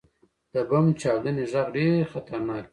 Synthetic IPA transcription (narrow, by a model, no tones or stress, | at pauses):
d̪̥əbamt͡ʃɑwd̪əneʐaɣɖeɾxat̪aɾnɑːki